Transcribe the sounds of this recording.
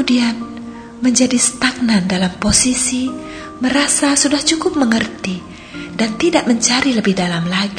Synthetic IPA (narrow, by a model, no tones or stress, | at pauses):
udian | məɲd͡ʒadist̪ak̚nandalamposisi | məɾasasudaht͡ʃukʊp̚məŋərt̪i | dant̪idaʔməɲt͡ʃaɾiləbɪhdalamlaɡ